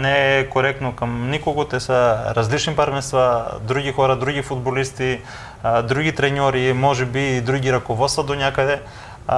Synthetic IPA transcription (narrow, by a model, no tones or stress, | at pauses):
nɛɛkoɾɛk̚t̪nokamnikoɡot̪ɛsaɾazlit͡ʃnipaɾmɛnst̪vad̪ɾuɡʲixɔɾad̪ɾuɡifud̪bolist̪i | d̪ɾuɡʲit̪ɾɛɲɔɾimɔʒɛbiːd̪ɾuɡʲiɾakovɔt̪st̪vad̪oɲakad̪ɛ